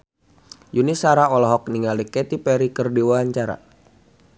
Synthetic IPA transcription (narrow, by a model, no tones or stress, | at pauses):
junisaɾaɔlɔɦɔk̚niŋalikɛt̪ipɛɾikərdiwaaɲt͡ʃaɾa̰